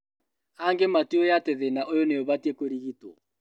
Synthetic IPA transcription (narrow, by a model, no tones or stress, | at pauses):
aŋɡematiojateðenaʔojoneoβatiekoɾiɣitwɔ